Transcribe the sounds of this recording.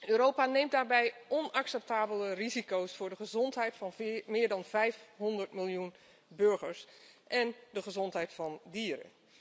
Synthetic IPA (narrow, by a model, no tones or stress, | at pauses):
øːɾowpanejmt̚daːɹbɛjʔɔnɑksɛp̚taːbələrizikowsfʊːɹdəχəzɔntɦɛjtfɑnmɪːɹdɑnvɛjfɦɔndəɹtmɪlˠjun | bɵɹχəɹsʔɛndəχəzɔntɦɛjtfɑndiːɾə̰